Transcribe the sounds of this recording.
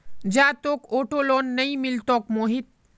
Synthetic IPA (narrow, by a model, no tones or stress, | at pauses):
d͡ʒaːt̪oːkoːʈoloːnːɐĩmɪlt̪oːkmoːɦɪt̪̚